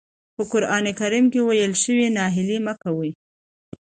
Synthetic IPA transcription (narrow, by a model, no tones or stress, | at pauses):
pəkʊɾʔɑnekaɾimkewajəlʃəwinɑɦɪliməkawi